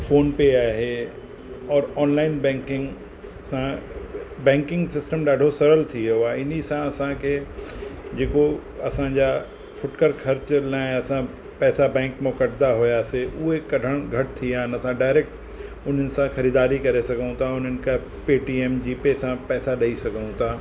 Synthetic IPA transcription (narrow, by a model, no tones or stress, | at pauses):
foːnpeaːɦe | ɔːɾɔːnlaːɪnbɛ̃ːŋkɪ̃ŋɡ | sã | bɛ̃ːŋkɪ̃ŋɡsɪsʈəmɗaːɖʱosɐɾəlt̪ʰieʊaɪnisãɐsãkʰe | d͡ʑeːkoɐsãd͡ʑa | fʊʈkəɾkʰɐɾt͡ɕlãːɪ̃ɐsã | pɛːsabɛ̃ːŋkmẽkɐɖd̪aɦʊjaseʔʊɦekɐɖʱəɽ̃ɡʱɐʈ̚t̪ʰiaːnɐsãɖaːɪɾeːk̚ʈ | ʊn̤ənɪ̆sãxɐɾiːd̪aːɾikɐɾesɐɡʱũt̪ʰaʊnɦənɪ̆ka | peːʈieːmd͡ʑiːpesãpɛːsaɗɐisɐɡʱũt̪ʰaː